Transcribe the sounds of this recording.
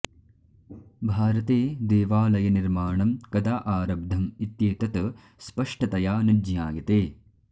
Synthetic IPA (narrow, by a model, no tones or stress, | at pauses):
bʱaːɾɐt̪eːd̪eːʋaːlɐjɐniɾmaːɳɐmkɐd̪aːʔaːɾɐb̚d̪ʱɐmit̪jeːt̪ɐt̪ | spɐʂʈɐt̪ɐjaːnid͡ʒjaːɡɐt̪eː